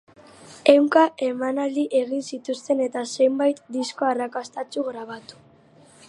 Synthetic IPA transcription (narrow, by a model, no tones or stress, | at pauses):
e̞wŋkaʔe̞manald̪iʔe̞ɣ̞insit̪ust̪e̞ne̞t̪ase̞mbajt̪d̪isko̞arakast̪at͡ʃuɣɾaβ̞at̪u̥